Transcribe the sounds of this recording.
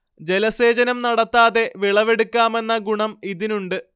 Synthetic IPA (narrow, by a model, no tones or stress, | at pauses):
d͡ʑelɐse̞ːd͡ʑɐnɐmnɐɽɐt̪ːaːðe̞ʋiɭɐʋe̞ɽukʲːaːme̞nːɐɡuɳɐmiðinuɳɖɨ